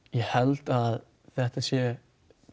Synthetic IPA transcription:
jɛhɛlt̪að | θɛht̪asjɛ

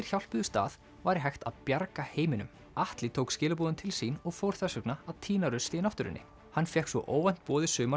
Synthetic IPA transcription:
ɪɾ̥çawl̥pʏðʏst̪a̰ːð | vaɾɪɦajxt̪a̰ðpjaɾkaheːjmɪnʏ̰m | aht̪lɪt̪ʰowkscɪːlʏpuːðʏnt̪ʰɪlsiːnɔɣfoːwɾ̥θɛsœknaaðt̪ʰiːnaɾʏst̪ɪnafht̪ʏɾɪ̰nːɪ̰ | hanːfjɛhksvɔ̰ʔoːwvan̥t̪̚pɔːðɪsʏːma

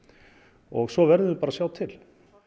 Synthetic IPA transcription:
ɔɣsɔvɛɾðɪðʏpaːɾasjaːwt̪ʰɪl

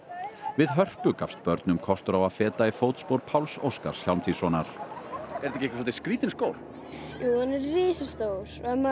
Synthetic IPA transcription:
vɪðɦœr̥pʏkafst̪̚pœɾt̪nʏmkʰɔst̪ʏɾawaðfɛːt̪aifoːwt̪spowɾpʰawlso̰wska̰ɾ̥sçalmt̪ʰisɔːnaɾ̥ɛɾt̪ɛhcɪehkvɪs̬wɔt̪ɪskɾiːt̪ɪnskoːwɾ̥ | juːhanɛɾriːsast̪owɾɛma

